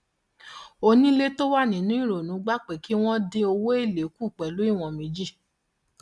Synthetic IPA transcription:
o˧nĩ˦le˦to˦wa˦˨nĩ˨˦nũ˨˦ĩ˦ɾo˨nũ˨˦ɡ͡ba˦k͡pe˨ki˦w̃ɔ̃˦de˧o˧wo˦e˦˨le˨˦ku˦˨k͡pɛ˨lu˨˦i˦˨w̃ɔ̃˧mĩ˨˦d͡ʒi˦˨

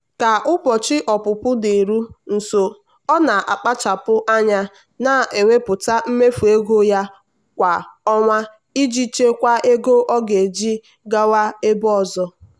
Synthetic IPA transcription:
ka˨ʔʊ˦pɔ˨t͡ʃɪ˦ʔɔ˨pʊ˨pʊ˦de˨ɾu˦n̩˨so˨ | ɔ˦na˨ʔa˨k͡pa˦t͡ʃa˨pʊ˦ʔa˦ɲa˦ | na˨e˨ŋʷe˦pʊ˨ta˦m̩˦me˦fu˨e˦ɡo˦ja˦ | kʷa˨ɔ˦ŋʷa˦ | i˦d͡ʒi˦t͡ʃe˦kʷa˦ʔe˦ɡo˦ʔɔ˦ɡe˨d͡ʒi˦ | ɡa˦wa˦e˦bɔ˦˨zɔ˦

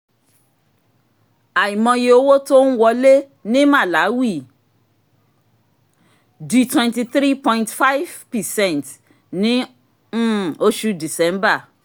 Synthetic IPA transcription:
a˨i˨mɔ̃˧je˧o˦wo˦to˦ñ̩˦wɔ˧le˦ | nĩ˦mã˦˨la˨˦wi˦˨ | di˨˦twɛ̃˧nti˧θɾi˦pɔ̃˧ĩntfa˦jvpɛ˨sɛ̃˦˨nt | nĩ˦˨ | o˦ʃu˧di˨sɛ˨˦m˦ba˦˨

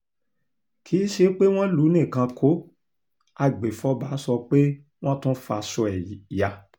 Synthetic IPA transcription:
kʰi˨˦ʃe˧k͡pe˦w̃ɔ̃˦lu˨˦nĩ˦˨kã˧kʰo˨˦ | a˨ɡ͡be˨fɔ˧˦ba˨˦sɔ˧k͡pe˦ | w̃ɔ̃˦tũ˦fa˧sɔ˧ɛ˨ja˧˨

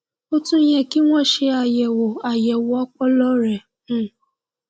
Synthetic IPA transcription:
o˦tũ˦jɛ˧ki˦ŋʷɔ̃˦˨ʃe˧a˨jɛ˨wo˨a˨jɛ˨wʊ˨ɔ˦k͡pɔ˦lɔ˦ɾɛ˨˦˨

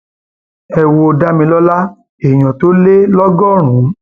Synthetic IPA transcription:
ɛ˧wo˧o˧da˦mĩ˧lɔ˦la˦ | e˨j̃ɔ̃˨to˦le˦lɔ˦ɡɔ˦˨ɾ̃ũ˨˦

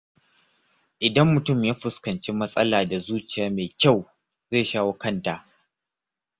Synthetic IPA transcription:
ʔɪ˨dɐ˦mːʊ˨tʊ˦˨mjaː˦ɸʊ˦˨skɐ˨nt͡ʃiː˦mɐ˦sʼɐ̰˦laː˨da˨zuː˦t͡ʃɪ˨jaː˨meː˨kʲa˦˨w | zeː˦˨ʃaː˦woː˦kɐ˦˨nta˨ʔ

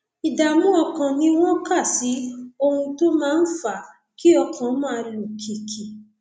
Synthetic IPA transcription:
i˨da˨mũ˦ɔ˧kã˧nĩ˦w̃ɔ̃˦ka˦˨si˨˦o˧hũ˧to˦mãː˦n̩˦fa˦˨ | ki˦ɔ˧kʰã˨˦mã˦˧lu˨kʰi˨kʰi˨

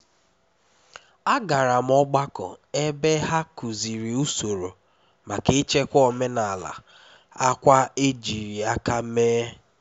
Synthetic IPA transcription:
a˦ɡa˨ɾa˨m̩˦ɔ˦ɡ͡ba˦kɔ̰˨e˦be˦ɦa˦ku˨zi˨ɾi˨u˦so˨ɾo˨ | ma˨ke˦t͡ʃe˦kʷɔ˨me˦na˨la̰˨ | a˦kʷa˦e˦d͡ʒi˨ɾi˨a˦ka˦meː˦

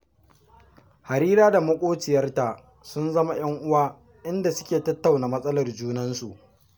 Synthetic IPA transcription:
ha˨ɾiː˦ɾaː˦da˨mʊ˦kʷʼoː˦t͡ʃɪ˨jɐ˦rta˨ʔ | sʊ˦nzɐ˦ma˨j̰ɐ˦ŋʔʊ˦waː˦ | ʔɪ˦nda˨sʊ̥˦kʲeː˨tɐ˦tːa˨wna˨mɐ˦sʼɐ˦lɐ˨rd͡ʒuː˦nɐ˦nsu˨ʔ

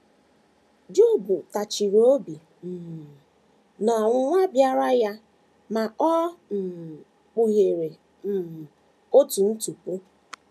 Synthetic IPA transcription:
d͡ʒu˦˨bu˨ta˨t͡ʃi˨ɾo˦bi˨ | m̩˨ | nɔ˨ŋʷʊ˦ŋʷa˦bja˦ɾa˦ja˦ | ma˨ɔ˦n̩˨ | k͡pu˨ɣe˨ɾe˨ | m̩˨ | o˦tu˨n̩˦tu˨po˦

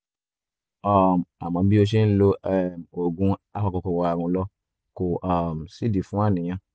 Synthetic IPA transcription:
ɔ˨m˨a˨mã˨˧˦bi˦o˧ʃ̬e˦n̩˦lo˦˨mo˨ɡũ˧˦a˦ka˧kɔ˧kɔ˨wa˧a˨ɾũ˧˦lɔ˦ | ko˨ʔa˨msi˦di˨fũ˦a˦˨nĩ˨j̃ã˧˦

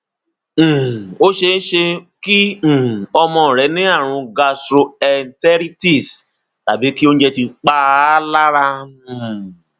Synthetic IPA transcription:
o˦ʃe˧˦ʃe˧kĩ˦˨ | ɔ˧mɔ̃˧˨ɾɛ˨˦nĩ˦a˦˨ɾ̃ʊ̃˧ɡa˧stɾo˧ɛ˨n˦tɛ˦ɾi˦ti˨s | ta̰˨bi˨˦ki˦o˦n˦d͡ʒe˧ti˧k͡pa˦la˦ɾã˧˨

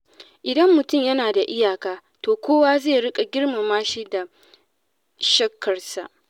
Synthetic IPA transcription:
ʔɪ˨dɐ˦mːʊ˨tʊ˦˨mjɐ˦naː˨da˨ʔɪ˦jaː˨kaː˦toː˨kʷoː˦waː˦zeː˦˨ɽɪ˦kʼa˨ɡʲɪ˦ɽma˨maː˦ʃiː˦da˨ | ʃɐ˦kːɐ˨rsa̰˨ʔ

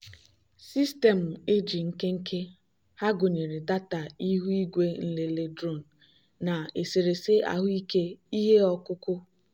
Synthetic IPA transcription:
si˦ste˨m̩˨e˦d͡ʒi˨ŋ̩˦ke˦ŋ̩˦kʰe˦ | ha˦ɡo˨ɲe˨ɾe˨da˦ta˨i˦ɦu˦i˦ɡʷe˦n̩˦le˨le˦dɾo˦˨n̩˨ | na˨e˨se˨ɾe˨se˦a̰˨ɦʊ˦i˦ke˦i˦ɦe˦ɔ˦kʊ˦kʊ˦

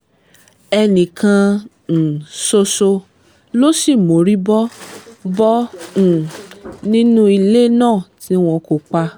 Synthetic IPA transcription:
ɛ˧nĩ˨kã˧˨ | so˧so˧ | lo˦si˦˨mo˨˦ɾi˦bɔ˦bɔ̃˦˨ | nĩ˦nũ˦i˧le˦nãː˦˨ti˨˦w̃ɔ̃˧ko˨k͡pa˧

